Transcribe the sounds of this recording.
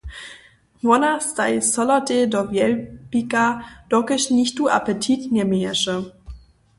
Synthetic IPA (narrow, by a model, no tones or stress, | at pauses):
nwɔnastajsɔlatedɔvjɛlbikad̥ɔkəɕniçtua̰pətʰitnɛmeɛʃə